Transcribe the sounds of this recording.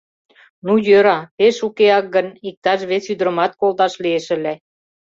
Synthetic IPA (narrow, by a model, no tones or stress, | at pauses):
nujøɾɑpeʃukeɑk̚ɡə̆nik̚t̪ɑʃβet͡syd̪ɾə̆mɑt̪̚kold̪ɑʃlieʃə̆le